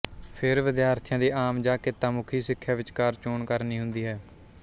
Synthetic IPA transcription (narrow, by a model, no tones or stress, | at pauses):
pʰɪɾʋɪd̪jaːɾt̪ʰjãːd̪iːʔaːmd͡ʒaːkeːt̪ãːmʊkʰiːsɪkʰːjaːʋɪt͡ʃkaːɾt͡ʃoːɳkəɾniːɦʊ̃nd̪iːɦɛː